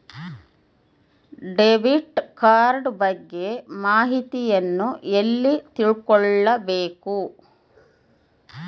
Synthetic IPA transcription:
ɖeʋiʈkaːɾɖbɐɡːe̞maːɦit̪ijɐnːuʔelːit̪iɭkɔɭːɐbeːku

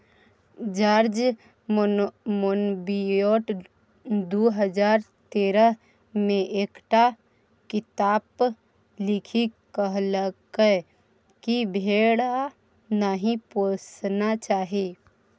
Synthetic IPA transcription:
d͡ʒaːɾd͡ʒ | monbioːʈ | d̪oɦəd͡ʒaːɾt̪eːɾəɦ | mẽʔeːkʈa | kɪt̪aːp | lɪkʰikəɦləkə | kibʱeːɽa | naɦĩposnat͡ʃaːɦe

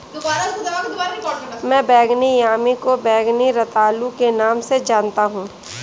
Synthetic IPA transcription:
d̪ʊbaːɾɐakd̪ʊbaɾikɔmɛ̃ːbɛːɡnijaːmikobɛːɡniɾɐt̪aːlukenaːmsed͡ʒaːnt̪aɦũː

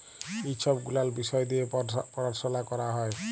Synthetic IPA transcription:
iʃʰɔbɡulaɾbisɔed̪ijepɔɾaɾsɔlakɔɾaɦɔe

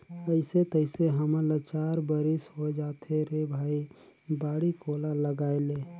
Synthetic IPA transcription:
əɪset̪əɪseɦəmələt͡ʃaːɾbəɾisɦod͡ʒaːt̪eɾebʱaːi | baːɽikoːlaləɡaːeleː

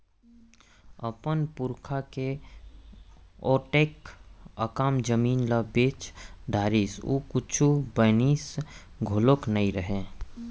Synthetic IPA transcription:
əpənpʊɾkʰake | ɔːʈeːkəkaːmd͡ʒəmiːnlabeːt͡ʃɖ̪ʱaːɾiːsṵːkʊt͡ʃʰubəniːs | ɡʱoːloknəiɾəɦẽ

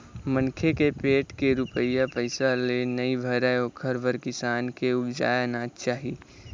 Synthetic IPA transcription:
mə̃nkʰekepeːʈkeɾʊpəɪjapəɪsalenɐibʱəɾaokʰəɾʋəɾkɪsaːnkeʊbd͡ʒa̰ːjanat͡ʃaːɦiː

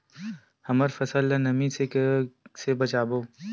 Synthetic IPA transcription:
hɐməɾfɐsəlːənɐmĩse | sebɐt͡ʃaːboː

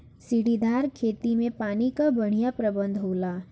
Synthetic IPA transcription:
siɽid̪aːɾkʰeːt̪imẽpaːnikabɐɽ̤ijapɾɐbə̃nd̪ʱɦoːlaː

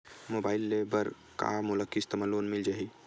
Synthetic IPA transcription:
mobaːɪlːebəɾ | ka̰mʊləkːist̪əməloːnmɪld͡ʒaɦi

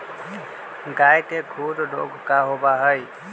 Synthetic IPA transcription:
ɡajkeɡʱuɾɖo̰ɡʱkaɦobaɦəj

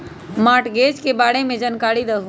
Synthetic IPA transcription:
maːʈɡeːd͡ʒkebaːɽemẽd͡ʒənkaːɽid̪ɐɦũ

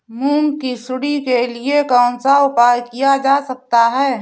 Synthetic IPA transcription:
muːŋkisʊɽikeliekɔ̃ːnsaʊpaːjkijad͡ʒaːsɐk̚t̪aɦɛː

